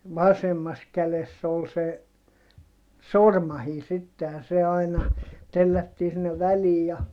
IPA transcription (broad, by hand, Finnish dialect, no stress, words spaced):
ʋɑsemːɑs kælesː ol se sormɑhiː sitːe jɑ se ɑinɑ telːætːiː sinːeʋ ʋæliː jɑ